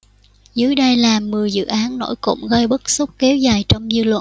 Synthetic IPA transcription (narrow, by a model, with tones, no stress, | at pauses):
zɨ˨˦jɗə˧jlaː˨˩mːɨ˨˩əjzɨ̰˧˨ʔaː˨˦nːo̰˧˥˩jkʊ̰˧˥ŋ͡mɣə˧jɓə˦˥k̚su˦˥k͡p̚kɛ˨˦wzaː˨˩jt͡ɕɔ˧wŋ͡mzɨ˧lwə̰˧˨